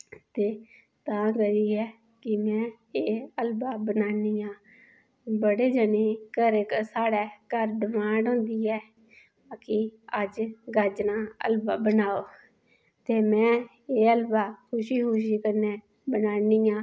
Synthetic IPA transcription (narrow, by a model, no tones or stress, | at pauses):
t̪eː | t̪ãːɡəiːɛː | kɪmɛ̃ː | eːəlbaːbənaːniːjãː | bəɽeːd͡ʒəneːkəɾeksaːɽɛːkəɾɖɪmãːɳɖõːnd̪iːɛː | kɪəd͡ʒɡəd͡ʒnãːə̰lbaːbənaːoː | t̪eːmɛ̃ː | eːəlbaːkʰʊʃiːkʰʊʃiːkəɾneː | bənaːniːãː